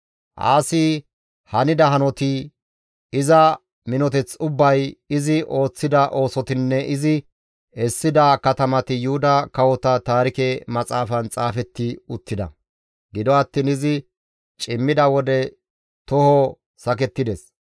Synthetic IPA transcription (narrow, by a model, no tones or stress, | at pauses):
ʔa̰ːsi | hɐnɪd̪ɐɦɐnɔt̪ɪ | ɪzɐ | mɪnɔt̪ɛt͡sʊbːɐjɪzɪʔo̞ːt͡sːɪd̪ɐʔo̞ːsɔt̪ɪnːɛʔɪzɪ | ɛsːɪd̪ɐkɐt̪ɐmɐt̪ɪjʊhʊd̪ɐkɐwɔt̪ɐt̪aːɾɪkɛmɐt͡sʼaːfɐnt͡sʼaːfɛt̪ːɪʊt̪ːɪd̪ɐ̰ | ɡɪd̪ɔɐt̪ːiːnɪzɪ | t͡ʃʼɪmːɪd̪ɐwɔd̪ɛ | t̪ɔhɔ | sɐk̬ɛt̪ːɪd̪ɛs